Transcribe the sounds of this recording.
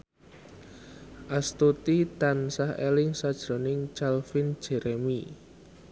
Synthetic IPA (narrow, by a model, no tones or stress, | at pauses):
ʔast̪ut̪it̪ansahḛlɪŋsad̥ʒ̥ɾo̤nɪŋt͡ʃalfɪn̥ʒ̥ɛ̤ɾʔemi